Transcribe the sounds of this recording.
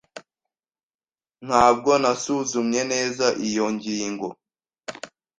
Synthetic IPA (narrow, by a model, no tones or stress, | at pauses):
n̥haːb̚ɡo̞nasuzumɲe̞ne̞ːzaʔijoɲɟiːŋɡo̞